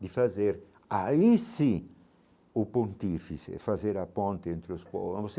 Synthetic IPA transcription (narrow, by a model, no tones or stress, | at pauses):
d̪ɪfazeɾ | aisi | ʊpõnt̪ifisɪ̰fazeɾapõnt̪eẽnt̪ɾuspɔ̰̃vos